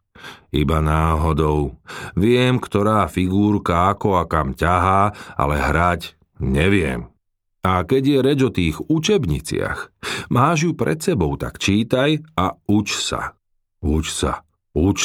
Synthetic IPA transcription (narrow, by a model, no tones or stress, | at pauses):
ibanaːɦɔd̪ɔʊʋɪɛmkt̪ɔɾaːfiɡuːɾkaakɔakamcaɦaːa̰lɛɦɾac | ɲɛʋɪɛ̰m | akɛɟjɛɾɛd͡ʒɔt̪iːɣut͡ʃɛbɲḭt͡sɪa̰xmaːʒjupɾɛ̰t̪sɛbɔʊt̪a̰kt͡ʃiːt̪ajaut͡ʃsa̰ | ut͡ʃsa̰ | ut͡ʃ